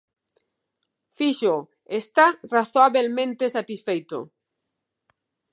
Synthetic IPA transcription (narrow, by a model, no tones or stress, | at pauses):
fiʃo | est̪araθoaβelmẽnt̪esat̪isfejt̪o̰